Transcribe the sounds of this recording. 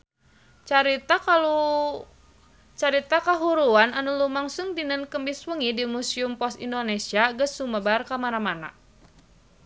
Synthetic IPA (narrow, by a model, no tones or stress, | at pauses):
aɾit̪alu | t͡ʃaɾit̪akaɦuɾuananulumaŋsuŋdinənkəmbiswuŋidimusiumpɔsindonesiaɡəsːuməbarkamanamana̰